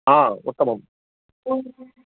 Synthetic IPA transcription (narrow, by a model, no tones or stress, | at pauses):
aːṵt̪ːɐmɐm